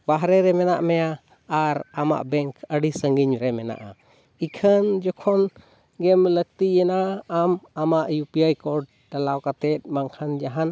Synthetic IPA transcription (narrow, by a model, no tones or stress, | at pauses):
baɦɾɛɾɛmɛna̰ʔmɛjaː | ɾama̰ʔbɛŋkəɖisəŋɡiɲɾɛmɛna̰ʔa̰ | ikʰənd͡ʒɔkʰɔn | ɡɛmlək̚t̪ijɛnaːmamaʔjupijajkɔɖ̚ | ɖalawkat̪ɛt̪̚ˀmaŋkʰand͡ʒaɦan